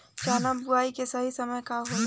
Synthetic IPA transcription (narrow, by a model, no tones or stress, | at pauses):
t͡ʃaːnabʊaːikesəɦisəməjkaɦo